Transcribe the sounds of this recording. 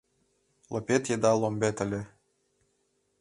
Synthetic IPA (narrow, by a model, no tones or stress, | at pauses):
lˠopʲet̪jed̪ɑlˠombʲet̪ɘ̆lʲɘ̆